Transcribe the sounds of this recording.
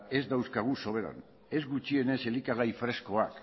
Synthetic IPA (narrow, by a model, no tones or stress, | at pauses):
e̞zd̪awskaɣ̞uso̞β̞e̞ɾa̰n | e̞zɡut͡ʃie̞ne̞se̞likaɣ̞ajfɾe̞sko̞ak